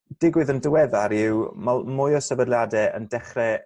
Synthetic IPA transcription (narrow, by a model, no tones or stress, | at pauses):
d̥ɪɡwɪðəndəwɛðaɾɪwmalˠmʊjɔsəvədljadɛə̰ndɛχrɛ